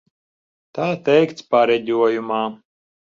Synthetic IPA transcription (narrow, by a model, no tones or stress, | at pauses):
t̪aːt̪ɛjkt̪spaɾɛdʲuɔjumaː